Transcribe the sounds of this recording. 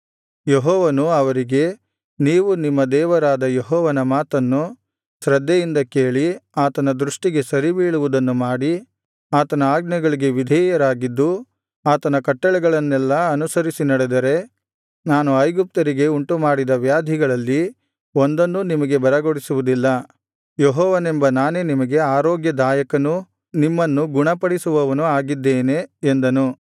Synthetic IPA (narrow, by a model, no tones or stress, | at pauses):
jeɦɔːʋɐnuɐʋɐɾiɡe̞ | niːʋunimːɐd̪ɛːʋɐɾaːd̪ɐjeɦɔːʋɐnɐmaːt̪ɐnːu | sɾɐd̪ʱːɛjind̪ɐkeːɭiaːt̪ɐnɐd̪ɾuʂʈiɡe̞sɐɾibiːɭuʋud̪ɐnːumaːɽi | aːt̪ɐnɐaːɡnɐɡɐɭiɡe̞ʋid̪ʱɛːjɐɾaːɡid̪ːu | aːt̪ɐnɐkɐʈːɐɭɛɡɐɭɐnːɛlːɐɐnusɐɾisinɐɽed̪ɐɾe̞ | naːnuɐjɡup̚t̪ɐɾiɡe̞uɳʈumaːɽid̪ɐʋjaːd̪ʱiɡɐɭɐlːi | o̞nd̪ɐnːunimɐɡe̞bɐɾɐɡoɽisuʋud̪ilːɐ | jeɦɔːʋɐne̞mbɐnaːne̞nimɐɡe̞aːɾoːɡjɐd̪aːjɐkɐnu | nimːɐnːuɡuɳɐpɐɽisuʋɐʋɐnuaːɡid̪ːeːne̞ːnd̪ɐnu